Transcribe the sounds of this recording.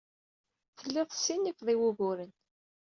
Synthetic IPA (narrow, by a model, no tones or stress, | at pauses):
θəlːɪðˤsːinːifðˤiwʊɣʊɾən